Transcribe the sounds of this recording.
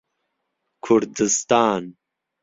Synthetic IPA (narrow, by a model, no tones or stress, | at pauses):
kʰuɾd̪ɨst̪aːn